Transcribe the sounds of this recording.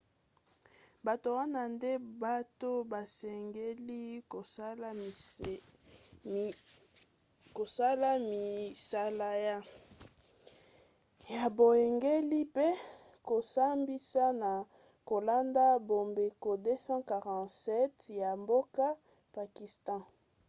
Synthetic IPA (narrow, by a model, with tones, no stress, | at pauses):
ba˨to˨wa˦na˦nde˦ba˦to˦ba˨sɛ˨ŋɡe˦li˦ko˨˦l | ko˨sa˦la˦mi˨sa˦la˦ja˦ | ja˨bo˨je˨ŋɡe˦li˦pe˦ | ko˨sa˦mbi˦sa˦na˨ | ko˨la˦nda˦bo˨mbe˨ko˨de˦sɑ̃˦ka˨ʁɑ̃˨sɛ˦tja˨mbo˦ka˦ | pa˨ki˨stɑ̃˦